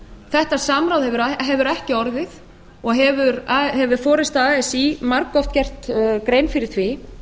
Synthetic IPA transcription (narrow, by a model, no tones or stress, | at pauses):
θɛht̪asamɾawðhɛvʏɾɦɛvʏɾɛhcɪɔɾðɪθ | ɔɣɦɛvʏɾahɛvʏɾfɔːɾɪst̪aɛsimaɾkːɔft̪̚cɛr̥t̪kɾeːjnfɪɾɪ̥t̪ʰvɪ